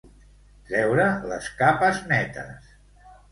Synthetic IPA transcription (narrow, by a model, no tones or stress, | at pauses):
t̪ɾɛwɾələskapəznɛt̪ə̰s